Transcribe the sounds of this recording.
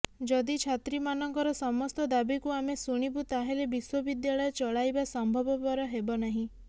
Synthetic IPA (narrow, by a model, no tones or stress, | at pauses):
d͡ʒɔd̪it͡ʃʰat̪ɾimanɔŋkɔɾɔsɔmɔst̪ɔd̪abikuamesuɽ̃ibut̪aɦelebiswɔbid̪jaɭɔjet͡ʃɔɭajbasɔmbʱɔbɔpɔɾɔɦebɔnaɦĩ